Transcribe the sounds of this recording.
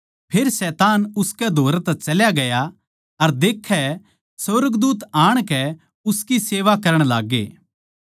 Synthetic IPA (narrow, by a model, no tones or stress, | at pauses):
pʰeːɾsɛːt̪aːnʊskɛd̪ʱoːɾɛt̪ɛt͡ʃɐljaɡɐja | ɐɾd̪eːkʰːɛ | səɾəɡd̪uːt̪aːɽ̃kɛ | ʊskiseːʋakɐɾəɽ̃la̰ːɡḛː